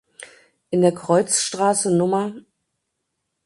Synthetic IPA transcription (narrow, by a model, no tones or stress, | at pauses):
ʔɪndeːɐkʁ̥ɔʏt͡sʃtʁ̥aːsənʊmɐ